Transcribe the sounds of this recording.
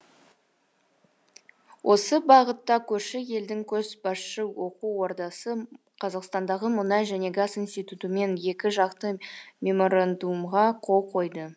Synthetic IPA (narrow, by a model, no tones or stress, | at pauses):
wʔo̞səbɑʁət̪ːɑkʲʰɵɾʃɪje̞ld̪ɪŋkʲʰɵzbɑsʃəwo̞quːo̞ɾd̪ɑsə | qʰɑzɑqst̪ɑnd̪ɑʁəmʊnɑjʒæne̞ɡasinst̪ijt̪ut̪əme̞nje̞kʲɪʒɑqt̪əmʲe̞mo̞ɾand̪umʁɑqʰo̞lˠqʰo̞jd̪ə